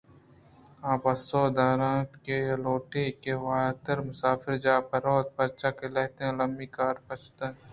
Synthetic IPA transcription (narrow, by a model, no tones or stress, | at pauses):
ãːpɐsoːd̪aːɾãːt̪keloːʈekeʋaːt̪əɾmʊsaːfɪɾd͡ʒaːpɐɾoːt̪̚pɐɾt͡ʃakeleɦt̪ẽlɐmbiːkaːɾpɐt͡ʃʰt̪ə̃